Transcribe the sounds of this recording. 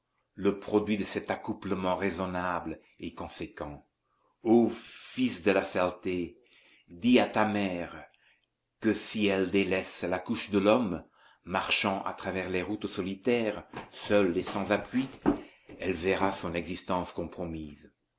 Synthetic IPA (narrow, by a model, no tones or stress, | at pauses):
ləpχɔd̪ɥid̪əsɛt̪akupləmɑ̃ʁezɔnabl | ekɔ̃sekɑ̃ | ofisd̪əlasalt̪e | d̪iat̪amɛːʁ | kəsiɛld̪elɛslakuʃd̪əlɔmː | aʁʃɑ̃ʔa̰t̪χavɛʁleʁut̪sɔlit̪ɛːʁsœlesɑ̃zapʰɥi | ɛlvɛʁasɔ̃nɛɡzist̪ɑ̃skɔ̃pχɔmiːz